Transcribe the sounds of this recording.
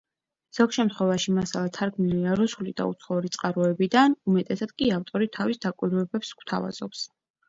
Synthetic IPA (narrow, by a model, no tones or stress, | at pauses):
z̥ɔkʃɛmt̪χwɛvaʃimasalˠat̪ʰaɾɡʰmiliaɾusulid̪a̰ṵt̪sʰχɔuɾit̪sʼqʼaɾɔɛbid̪anumɛt̪ʼɛsad̪̥kʼiaft̪ʼɔɾit̪ʰavisd̪akʼwiɾvɛbɛpsɡ̥wt̪ʰa̰va̰z̥ɔps